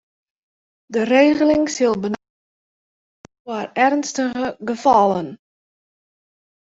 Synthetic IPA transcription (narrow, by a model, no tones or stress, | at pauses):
dəreːɣəlɪŋsɪlˠbən | warɛrnstəɣəɡəfɑlˠən